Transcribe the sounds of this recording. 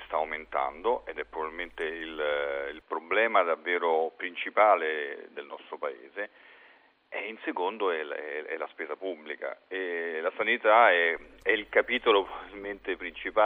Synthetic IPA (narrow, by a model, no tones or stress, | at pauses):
st̪aːwment̪a̰nd̪oʔed̪ɛpːɾovabilment̪eililpɾoblɛːmad̪avːeːɾopɾint͡ʃipaːled̪elnɔst̪ɾopaḛːze | einsekond̪oɛɛɛ̰laspeːzapubːlika̰ɛlasanit̪aɛɛilkapiːt̪olopɾovabilment̪epɾint͡ʃipa